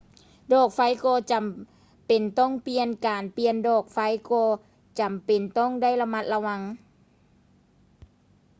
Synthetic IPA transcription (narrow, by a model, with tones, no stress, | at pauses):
dɔː˧˩k̚fa˧˥jkɔː˧t͡ɕa˨˩m | pe˨˩nt̪ɔ˥˩˨ŋpi˧ənkaː˨˩npi˧əndɔː˧˩k̚fa˧˥jkɔː˧ | t͡ɕa˨˩mpe˨˩nt̪ɔ˥˩˨ŋdaː˥˨jla˧ma˧˥t̪̚la˧wa˧ŋ